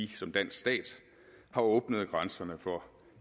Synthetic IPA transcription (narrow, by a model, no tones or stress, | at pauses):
isɒ̽md̥æn̰sɡ̥sd̥ɛ̰ːd̥ | hɑ̈ɔ̽ːb̥nəð̩ˠɡ̥ʁɑnsɐnəfɒ